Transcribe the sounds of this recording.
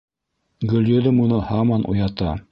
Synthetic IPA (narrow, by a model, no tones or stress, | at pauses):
ɡɵ̆lʲjɵ̆ðɘmunɤhɑmɑnʔṵjɑt̪ɑ̰